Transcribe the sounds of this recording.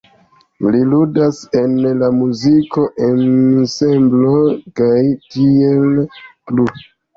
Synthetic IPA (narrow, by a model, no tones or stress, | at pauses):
liludase̞nlamuziko̞ʔe̞nsemblo̞kajtie̞lplu